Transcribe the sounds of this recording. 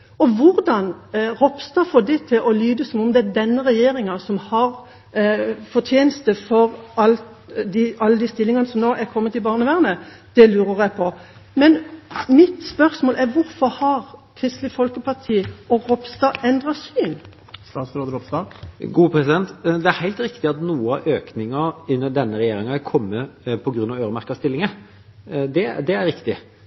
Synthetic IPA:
ɔʋʊɾd̪ɑnɾɔpst̪ɑːfɔd̪ɛt̪ʰɪlʔɔlyːd̪əsɔmɔmd̪ɛæd̪ɛnːəɾɛjeːɾɪŋɑsɔmhɑɾ | fɔt̪ʰjeːnəst̪əfɔɾɑlt̪ | d̪iɑlːəd̪ist̪ɪlːɪŋɑnəsɔmnoːʔækʰɔmːət̪ɪlbɑːʁnəʋæʁnəd̪̥ɛlʉːɾəɾæɪpʰɔ | mɛnmɪt̪spœɾsmoːlʔæɾʋʊɾfɔɾhɑɾkʰʁɪst̪ləfɔlkəpɑʁt̪ʰiːɔɾɔpst̪ɑːɛnd̪ɾɑsyːn | st̪ɑːt̪sɾoːd̪əɾɔpst̪ɑɡuːpʰɾɛsɪd̪ɛnt̪d̪ɛæɾhæɪlt̪ɾɪkt̪ɪɑt̪nuːəɑ̰ʋʔøːknɪŋɑɪnːəd̪ɛnːəɾɛjeːɾɪŋɑæɾkʰɔmːəpʰɔɡɾʉnɑʋøːɾəmæɾkɑst̪ɪlːɪŋə | d̪ɛd̪ɛæɾɾɪkt̪ɪ

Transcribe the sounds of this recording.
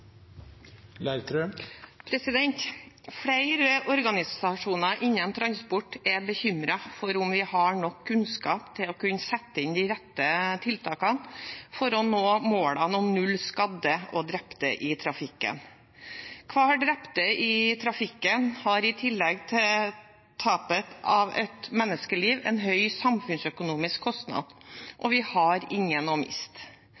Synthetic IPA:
læɪɾt̪ɾøpʰɾɛsɪd̪ɛnt̪fɽæɪɾəʔɔɾɡɑnɪsɑʂuːnɑʔɪnːənt̪ʰɾɑnspɔʈːɛbəçʏmɾɑfɔɾʊmʋɪhɑɳɔkʰːʉnskɑːpt̪ʰɪlɔkʉnːəsɛt̪ːəɪnd̪ɪɾɛt̪ːət̪ʰɪlt̪ʰɑːkɑnfɔɾɔnoːmoːlɑnɔmnʉlːskɑd̪əʔɔd̪ɾɛpt̪əʔɪt̪ʰɾɑfɪkːə̰n | kʰʋɑːɖɾɛpt̪əʔɪt̪ʰɾɑfɪkːənhɑɾɪt̪ʰɪlːɛɡt̪ʰɪl | t̪ʰɑːpət̪ɑʋɛt̪mɛnːəskəliːʋɛ̰nɦœʏsɑmfʉnsœkʊnuːmɪskʰːɔst̪nɑ̰d̪̥ʔɔʋɪhɑɾɪŋːənɔmɪ̰st̪

